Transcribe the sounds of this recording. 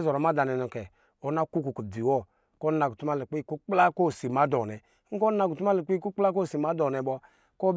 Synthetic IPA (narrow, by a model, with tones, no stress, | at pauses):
zɔ˨ɾɔ˨ma˦da˨nɛ˨nɔ˨kɛ˨ | o˨˦na˦ku˦ku˨ku˨di˨wɔ˦˨ | ko˦na˨ɡu˨tu˦ma˦le˨k͡pku˦k͡pla˦ko˦˨si˨ma˨˦dɔ˨nɛ˨˦ŋ̩˦ko˦a˧˨ku˨u˦ma˦lɛ˨k͡pi˦ku˦k͡pla˦ko˦˨si˨ma˦dɔ˨nɛ˨bɔ˧ | ko˦b